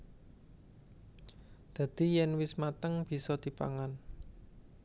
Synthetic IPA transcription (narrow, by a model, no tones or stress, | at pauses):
d̪̥a̤d̪̥i̤jɛnwɪsmat̪əŋb̥i̤sɔd̪̥i̤pa̰ŋan